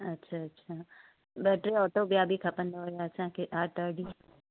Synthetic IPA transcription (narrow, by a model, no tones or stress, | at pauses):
ɐtːʃʰaɐtːɕʰaː | bəʈɾeɔːʈ̪oːbjaːbʱikʰɐpə̃nd̪aɦojasãkeʔaːʈ̪əːɾɖi